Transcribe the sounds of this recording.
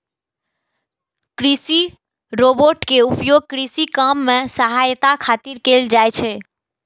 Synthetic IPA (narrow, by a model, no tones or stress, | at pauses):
kɾisi | ɾoboɾʈkeupjoɡ̚kɾisikamːẽsəɦajt̪akʰat̪iɾkeld͡ʒajt͡ʃʰe